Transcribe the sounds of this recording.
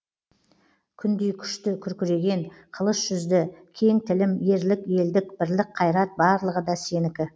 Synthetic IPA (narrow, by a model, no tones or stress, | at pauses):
kʲʰʏnd̪ejkʲʰʏ̥ʃt̪ɪkʲʰʏɾkʲʏɾe̞ɡʲe̞ŋqʰəlˠəsʒ̥ʏzd̪ɪkʲʰe̞ŋt̪ʰɪlɪmje̞ɾlɪke̞ld̪ɪkb̥ɪɾlɪk̚qʰːɑjɾɑt̪̚bɑɾlˠəʁəd̪ɑse̞nɪkʲɪ